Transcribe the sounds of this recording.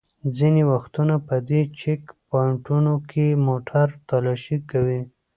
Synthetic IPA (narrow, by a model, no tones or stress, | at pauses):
d͡zinewaxt̪unapəd̪et͡ʃɪkpɑɪɳʈunokʰemoʈʰaɾt̪alɑʃikawi